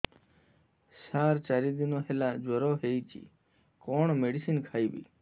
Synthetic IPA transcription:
saːɾt͡ʃaːɾid̪inoːɦelaːd͡ʒoɾoːɦeit͡ʃḭ | koːɳmeɖisinkʰaːibḭː

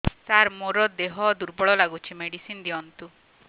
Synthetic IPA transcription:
saɾmoɾɔd̪eɦɔd̪uɾbɔɭɔlaɡut͡ʃʰimeɽisind̪iɔnt̪u

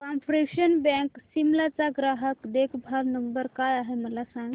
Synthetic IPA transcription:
kampɾekɕənbɛ̃ksimlat͡saɡɾaɦəkd̪ekʰbʱaɾnəmbəɾkajaɦeməlasãŋɡ

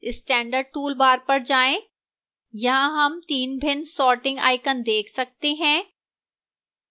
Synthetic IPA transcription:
ɪsʈɛ̃ːɳɖəɾɖ̚ʈuːlbaːɾpɐɾd͡ʒaːẽ | jɐɦãɦɐmt̪iːnbʱɪnsɔːʈɪ̃ŋɡa̰ːɪkənd̪eːkʰsɐk̚t̪eɦɛ̃ː

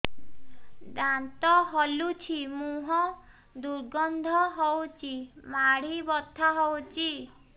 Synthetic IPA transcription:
d̪ant̪ɔɦɔlut͡ʃʰimũɦɔ̃ | d̪uɾɡɔnd̪ʱɔɦɔwt͡ʃʰimaɽ̤ibɔt̪ʰːaɦɔwt͡ʃi

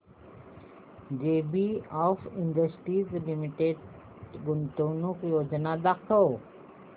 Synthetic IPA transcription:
d͡ʒeːbiɔfɪ̃ɳɖəsʈizlimiʈeɖ | ɡʊnt̪oːnukjoːd͡ʒnad̪akəw

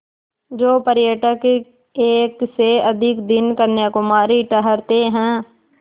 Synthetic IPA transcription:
d͡ʒoːpəɾjəʈək | eːkseəd̪ʱɪkd̪ɪnkəɾnjakʊmaːɾiʈəɦəɾt̪eɦɛ̃ː

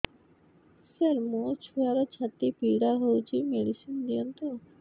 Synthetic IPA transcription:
seɾmot͡ɕʰuaɾot͡ɕʰat̪ːipiɖaɾɦowt͡ɕʰimeɖisind̪ijont̪o

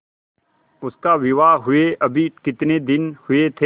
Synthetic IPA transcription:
ʊskaʋɪʋaːɦʊeʔɐbʱikɪt̪ned̪ɪnhʊet̪ʰe

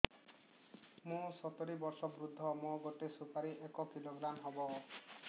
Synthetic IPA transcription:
mũsɔt̪oɾibɔɾsɔbɾud̪ʱːɔmɔɡɔʈesupʰaɾiʔekɔkiloɡɾamɦɔbɔ

